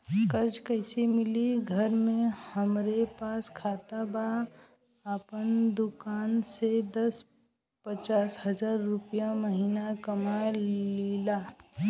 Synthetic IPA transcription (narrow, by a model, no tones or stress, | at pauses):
kəɾd͡ʒkəɪsemɪliɡʱəɾmẽhəmɾepaːskʰaːt̪aba | apənd̪ʊkaːnsed̪əs | pət͡ʃaːsɦəd͡ʒaːɾːʊpijaməɦiːnakəmalelaː